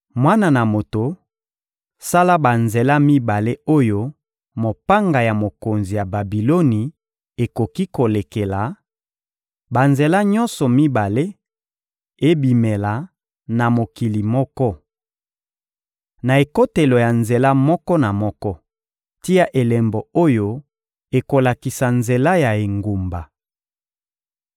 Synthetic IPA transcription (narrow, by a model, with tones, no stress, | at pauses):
mwa˦na˨na˨mo˨to˨ | sa˦la˦ba˨nze˨la˦mi˦ba˨le˦o˦jo˦ | mo˨pa˦ŋɡa˨ja˨mo˨ko˨nzi˨ja˨ba˨bi˨lo˦ni˨ | e˨ko˨ki˦ko˨le˨ke˨la˨ | ba˨nze˨la˦ɲɔ˦nsɔ˨mi˦ba˨le˦ | e˦bi˨me˨la˨ | na˨mo˨ki˨li˨mɔ˦kɔ˦ | na˨e˨ko˦te˨lo˨ja˨nze˨la˦mɔ˦kɔ˦na˨mɔ˦kɔ˦ | ti˦ja˦ʔe˨lɛ˨mbo˨o˦jo˦ | e˨ko˨la˨ki˨sa˨nze˨la˦ja˨e˨ŋɡu˨mba˨